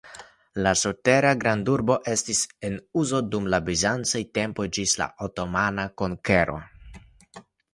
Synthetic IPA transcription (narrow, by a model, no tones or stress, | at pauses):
lasote̞ɾaɡɾanduɾbo̞ʔe̞stise̞nuzo̞dumlabizant͡sajte̞mpo̞jd͡ʒisla̰ʔoto̞manako̞ŋke̞ɾʔo̞̰